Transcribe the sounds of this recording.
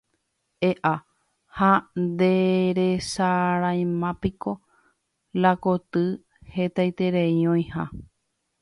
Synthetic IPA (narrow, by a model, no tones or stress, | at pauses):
eʔa | hand̪e̞ɾesaɾaj̃mãpiko̞ | lakot̪ɨ | he̞t̪ajt̪e̞ɾeiõj̃ha̰